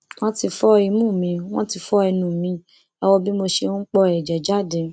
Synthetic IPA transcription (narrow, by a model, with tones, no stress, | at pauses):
w̃ɔ̃˦ti˧fɔ˦i˧mũ˦˨mĩ˧w̃ɔ̃˦ti˧fɔ˦ɛ˧nũ˨mĩ˧˦ | ɛ˧wɔ˧bi˦mo˧ʃe˧õ˦k͡pɔ˧ɛ˨d͡ʒɛ˨d͡ʒa˦˨dẽ˨˧